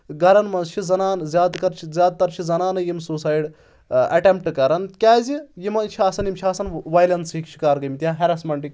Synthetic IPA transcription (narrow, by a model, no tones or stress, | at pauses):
ɡɐɾɐnmɐnzt͡ʃʰizɐnaːnzʲjaːd̪kɐɾt͡ʃʰizʲjaːd̪̚t̪ɐɾt͡ʃʰizɐnaːnɐjimsuːsaːjɖ | ɐ̰ʈemp̚ʈɨkɐɾɐnkʲaːzijimɐnt͡ʃʰiaːsɐnjimt͡ʃʰiaːsɐnʋajlɐnsikt͡ʃʰi̥kaːɾɡɐmt̪ʲjãːɦɐɾɐsmɐɳʈik